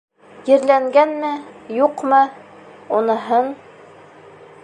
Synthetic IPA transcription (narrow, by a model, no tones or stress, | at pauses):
jɘ̆ɾlæŋɡænmɘjuqmɤ | unɤ̆ɦɤn